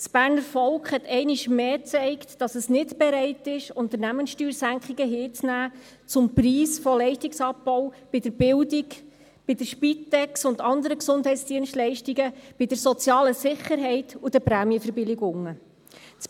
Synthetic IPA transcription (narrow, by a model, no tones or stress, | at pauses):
sb̥æːɾnəɾfɔlkχhɛt̪ɛɪnɪʃmeːt͡sɛɪktd̥ɑsəsnɪtb̥ɛɾɛɪtɪʃʊnt̪əɾnæmənsʃtyːɾsæŋkχiɡəɦɪːt͡snæː | t͡sʊmpriːsfɔlɛɪʃtiksɑpːɔwb̥ɪdəɾb̥ɪldik | b̥ɪd̥əɾʃpitːɛksʊndɑnd̪əɾəksʊndɦɛɪtsd̥iənstlɛɪʃtiɡəb̥ɪd̥əɾsɔt͡sjɑːləsɪχːəɾɦɛɪtud̥əpɾæːmjəfəɾbɪlɪɡʊŋːə | t͡s